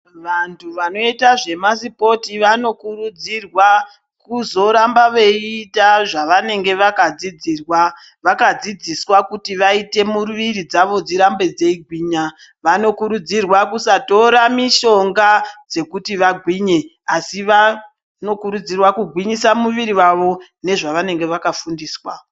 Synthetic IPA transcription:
ʋantʰuʋano̞itaʐe̞mas̬ipo̞tiʋano̞kuɾud͡zirwa | kuzo̞ɾambaʋe̞itaʐaʋane̞ŋɡe̞ʋakad͡zid͡ziːrwa | ʋakad͡zid͡ziswakutiʋaite̞muruʋiɾid͡zaʋo̞d͡ziɾambe̞d͡ze̞iɡʱwiːɲa | ʋano̞kuɾud͡zirwakusato̞ɾamiʃo̞ŋɡad͡ze̞kutiʋaɡʱwiɲe̞ | asiʋa | no̞kuɾud͡zirwakuɡʱwiɲisamuʋiɾiwaʋo̞ne̞ʐaʋane̞ŋɡe̞ʋakafundiːswa

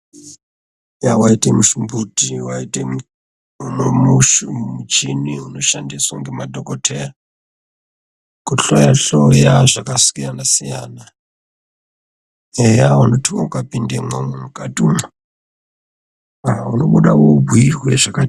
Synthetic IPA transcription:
jawaitemuʃumbutiwaite | unomuʃumut͡ʃiniuno̞ʃandiswaŋɡemadʱokotʰera | kuɬojaɬojaʐakasu̥kijanasijaːna | ejawanotʰiwaukapindeŋomumukatuma | auno̞ɓuɗawobʱuirweʐ̥aka

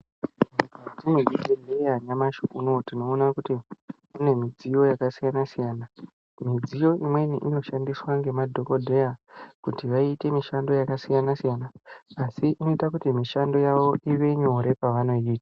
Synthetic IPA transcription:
mikad͡zimid͡zikodʱejaɲamaʃoʔunotino̞ːnakuti | une̞mid͡zijo̞jakasijanasijaːna | mid͡zijo̞ʔimwe̞niʔino̞ʃandiswaŋɡe̞madʱo̞ko̞dʱe̞jakutiʋaite̞miʃando̞jakasijanasijanaːsiʔino̞itakutimiʃando̞jaʋo̞ʔiʋe̞ɲo̞ɾe̞paʋano̞iːtḁ

